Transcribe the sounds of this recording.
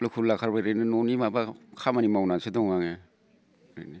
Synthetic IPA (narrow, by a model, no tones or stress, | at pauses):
lakʰulːakʰaɾbajɾejnɯnɔnimabakʰamanimawnasedɔŋmaŋe | ɾḛni